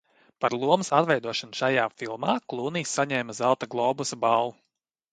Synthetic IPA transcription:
paɾlˠuɔmsat̪vɛjd̪uɔʃanʃajaːfilˠmaːklˠuːniːsːaɲɛːmazalˠt̪aɡlˠɔːbusabalˠu

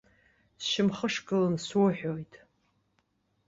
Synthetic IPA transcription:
sʃɪmχəʂkʼɨlɨnswʊħʷᶣojtʼʰ

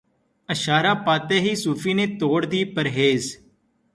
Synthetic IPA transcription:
əʃaːɾaːpaːt̪eːɦiːsuːfiːneːt̪oːɽd̪iːpəɾɦeːz

